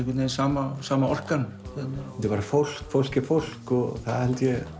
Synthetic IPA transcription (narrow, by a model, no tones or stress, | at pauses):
vɪt̪nainsaːmasaːmaɔr̥kanθɛt̪naɛ̥t̪ɪpaɾafol̥kfowl̥cɪfowl̥kɔɣθa̰ðhɛlt̪jɛ